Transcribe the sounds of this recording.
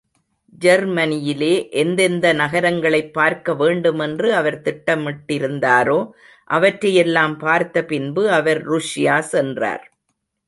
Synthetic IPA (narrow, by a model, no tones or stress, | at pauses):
d͡ʒɐɾmɐnɪjɪleːʔɛnd̪ɛnd̪ɐnɐɣɐɾɐŋɡɐɭɐɪpːaːɾkɐʋeːɳɖɯmɛndrɯɐʋɐɾt̪ɪʈːɐmɪʈːɪɾɯnd̪aːɾoː | ʔɐʋɐʈɾrɐjɛlːaːmpaːɾt̪ɐpɪnbɯɐʋɐɾɾuʂɪjaːsɛndra̰ːɾ